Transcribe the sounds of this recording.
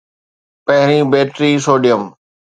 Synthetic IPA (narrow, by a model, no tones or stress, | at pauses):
pɐɦɪɾĩbeːʈɾiːsoːɖijəm